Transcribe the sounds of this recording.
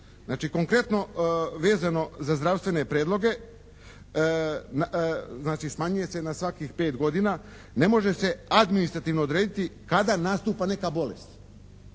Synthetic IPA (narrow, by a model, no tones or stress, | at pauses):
znaːt͡ʃiko̞ŋkɾe̞t̪no̞ʋe̞ːzano̞zazd̪ɾaʋst̪ʋe̞ne̞pɾeːd̪lo̞ɡe̞ | naznaːt͡ʃismaːɲuje̞se̞nasʋakixpe̞ːt̪ɡo̞d̪ina | ne̞mo̞ʒe̞se̞ad̪minist̪ɾat̪iʋnood̪ɾeːd̪it̪ikad̪anaːst̪uːpane̞kabo̞lest̪